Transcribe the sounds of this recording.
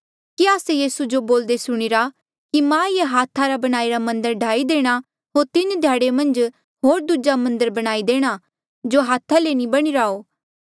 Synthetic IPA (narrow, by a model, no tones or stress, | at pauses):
kiaːsejiːsud͡ʒoboːld̪esʊɽ̃ɪɾa | kimãjeɦaːt̪ʰaɾabɐɽ̃aːiɾamɐ̃nd̪əɾɖʱaːid̪eːɽ̃a | ɦoːɾt̪ɪnd̪ʱjaːɽemɐ̃nd͡ʒ | ɦoːɾd̪ud͡ʒamɐ̃nd̪əɾbɐɽ̃aːid̪eːɽ̃a | d͡ʒoɦaːt̪ʰalenibɐɽ̃iɾaoː